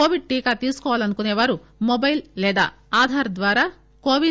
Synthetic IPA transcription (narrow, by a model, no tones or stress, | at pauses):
oːʋiɖ̚ʈiːkaːt̪iːsu̥kɔːʋaːlɐnukuneːʋaːɾu | mobɐjllɛːd̪a̰ː | aːd̪ʱaːɾɐd̪ʋaːɾaː | koːʋi